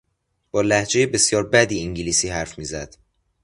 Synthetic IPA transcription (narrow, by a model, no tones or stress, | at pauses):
b̥ɒːlæhd͡ʒe̞jebe̞sjɒːɾbæd̪iːiŋɟiliːsiːhæɾfmiːzæd̪̥